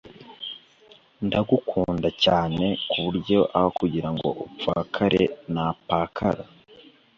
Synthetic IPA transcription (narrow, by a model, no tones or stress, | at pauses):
ndaɡukʰuːndacaːne̞kuβuɾɟo̞ʔaβakuɟiɾaŋɡo̞̰ʔup͡fakʰaɾe̞̰napaːkʰaɾa